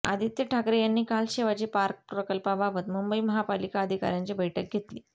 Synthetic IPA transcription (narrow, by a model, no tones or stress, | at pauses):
a̰d̪ʱit̪jəʈʰakɾejanːiːkalɕeʋad͡ʑiːpaɾk̚pɾəkəlpabʱaʋət̪mumbəiməɦapalikaəd̪ʱika̰ɾjãɲt͡ɕibʱəjʈək̚ɡʱet̪liː